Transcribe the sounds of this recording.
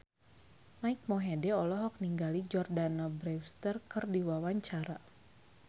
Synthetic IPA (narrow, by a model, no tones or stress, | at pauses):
maik̚mɔɦedɛɔlɔɦɔk̚niŋɡalid͡ʒɔrdanabɾɛwst̪ərkərdiwawaɲt͡ʃaɾa